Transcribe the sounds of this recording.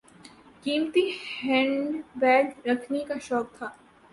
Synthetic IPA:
kiːmt̪ihɛ̃ːɳɖɖʋɛːɡɾɐkʰnekaʃɔːk̚t̪ʰaː

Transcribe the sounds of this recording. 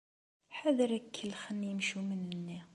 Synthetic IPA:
ħæðəɾækʰːəlːxənːjəmʃumənənːi

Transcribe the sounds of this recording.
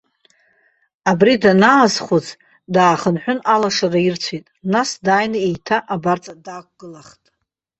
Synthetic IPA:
abridanaːzχot͡sʰ | daːχənħʷᶣʊnalaʂarairt͡sʷʰitʼnasdaːjnɨejtʰaʔabart͡sʼadaːkʷʼɡ̥ɨlaχtʼ

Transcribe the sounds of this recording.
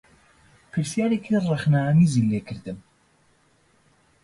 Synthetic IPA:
pʰɨɾsjaːɾekʰirɛxnamizilekʰɨɾd̪ɨm

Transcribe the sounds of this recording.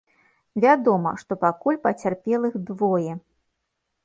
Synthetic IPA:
vʲad̪ɔmɐ̰ʂt̪ɔpakulʲpɐt͡sʲarpʲɛlˠɨxd̪vɔjɛ

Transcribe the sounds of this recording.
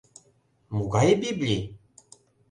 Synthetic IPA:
muɣɑjɤbiblʲi

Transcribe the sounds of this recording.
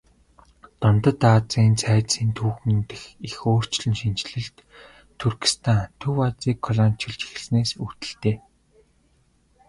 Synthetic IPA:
t̪ɔnt̪ə̆t̪at͡siːnt͡sʰæːsiːnt̪ʰuːxɘ̆nt̪ɘ̆xixoːr̥t͡ɕɮɘ̆nʃint͡ɕɮɘ̆ɮt̪ʰː | urkĭ̥st̪ʰant̪ʰuwat͡siːkʰːɔɮan̥t͡ɕʰɪ̆ɮt͡ɕi̥xɘ̆ɮsneːsut̪ɘ̆ɮt̪eː

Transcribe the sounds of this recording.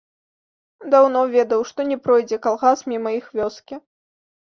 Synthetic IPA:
d̪awnɔvʲɛd̪ɐwʂt̪ɔnʲɛpɾɔjd͡zʲɛkalˠɣasmʲimɐixvʲɔskʲi

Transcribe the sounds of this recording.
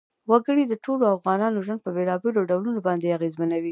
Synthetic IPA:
waɡəɽid̪əʈʰoloafɣɑnɑnoʒwand̪̚pəbelɑbeloɖawlunobɑnd̪eaɣezmanawi

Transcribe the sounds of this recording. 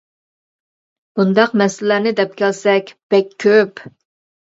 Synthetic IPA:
b̥und̪ɑqmɛslænɪd̪ɛp̚kʲʰɛlsɛkʲb̥ɛkʲʰːøp

